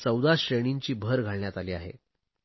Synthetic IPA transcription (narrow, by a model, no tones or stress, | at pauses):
t͡səwd̪aɕɾeɽ̃iɲt͡ɕiːbʱəɾɡʱaɭɳjat̪aliːaɦḛ